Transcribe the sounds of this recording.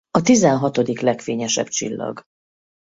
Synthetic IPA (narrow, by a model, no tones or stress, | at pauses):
ɒt̪izɛnɦɒt̪o̞d̪iklɛkfeːɲɛʃɛ̰bt͡ʃḭlːɒ̰ɡ